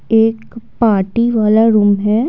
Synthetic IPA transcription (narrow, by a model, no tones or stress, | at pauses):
eːkpaːɾʈiʋaːlaɾuːmɦɛː